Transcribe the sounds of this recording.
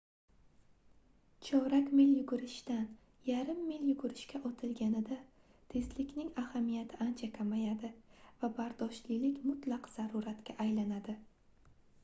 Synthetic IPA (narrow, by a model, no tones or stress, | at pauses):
t͡ʃʰɒɾakʲmɪljʊɡʊɾɪʃt̪an | jaɾɪmːɪljʊɡʊɾɪʃkʲaʔɒt̪ʰɪlɡʲanɪd̪a | t̪ʰe̞zlɪkʲnɪŋahamijat̪ʰɪant͡ʃʰakʰʲamajad̪ɪvabaɾd̪ɒʃlilɪkʲmʊt̪lˠɑqz̥aɾʊɾat̪kʲaʔajlanad̪ɪ